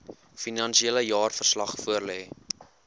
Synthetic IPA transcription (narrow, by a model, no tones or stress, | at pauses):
finɐnsieləjɑːrfərslɐχfuərlɛː